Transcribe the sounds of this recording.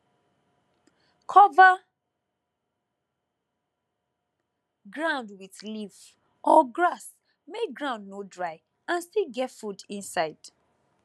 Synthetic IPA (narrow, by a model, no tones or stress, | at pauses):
kʰɔva | ɡɹãʊ̃ndwiθliv | ɔɡɹas | meɡɹãʊ̃ndnodɹaɪ | ãnstiɡɛtfudĩnsaɪd̥